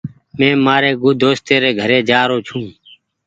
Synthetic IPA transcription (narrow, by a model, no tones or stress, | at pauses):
mẽːmaːɾeːɡʊd̪ʱoːst̪eːɾeːɡʱəɾeːd͡ʒaːɾoːt͡ʃʰũː